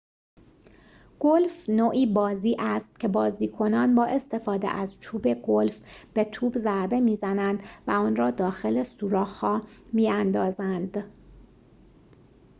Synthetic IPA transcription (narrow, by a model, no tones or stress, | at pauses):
ɡ̥olfnoːʔiːbɒːziːʔæst̪̚cʰe̞bɒːziːkʰo̞nɒːnbɒːʔe̞st̪e̞fɒːd̪ḛʔæzt͡ʃʰuːbe̞ɡo̞lfb̥e̞t̪ʰuːbzæɾbe̞miːzænænd̪væɒːnɾɒːd̪ɒːxe̞lesuːɾɒːhhɒːmiːænd̪ɒːzænd̪̥